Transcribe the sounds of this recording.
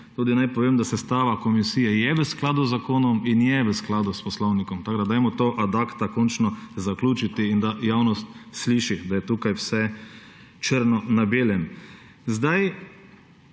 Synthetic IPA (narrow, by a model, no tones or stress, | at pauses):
t̪uːd̪inajpɔʋeːmd̪asɛst̪aːʋakɔmisiːjɛjɛʋəsklaːd̪uzːakoːnɔminjɛʋəsklaːd̪uspɔslɔwnikɔmt̪aɡd̪ad̪ajmɔt̪oːʔad̪akt̪akɔnt͡ʃnɔzaklʲuːt͡ʃit̪iːnd̪ajaːwnɔst̪sliːʃixd̪ajɛt̪uːkajwsɛ | t͡ʃəɾnɔnabeːlɛm | zd̪aj